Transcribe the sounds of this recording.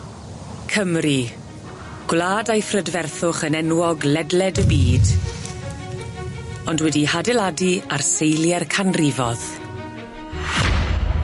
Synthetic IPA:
kʰəmri | ɡ̥wlaːdajfrədvɛrθʊχənɛnwɔɡlɛdlɛdəbiːd | ɔndwɛdihadɛlˠadiarsejljɛrkʰanrɪvɔð̥

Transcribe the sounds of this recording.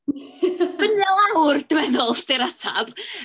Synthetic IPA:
b̥ənɛlˠawrd̥əmɛðɔlˠd̥eɾatʰab̥

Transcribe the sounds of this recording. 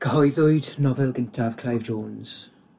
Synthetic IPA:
kʰəɦɔjðʊɨdnɔvɛlˠɡəntʰav̥kʰlajvd͡ʒoːnz̥

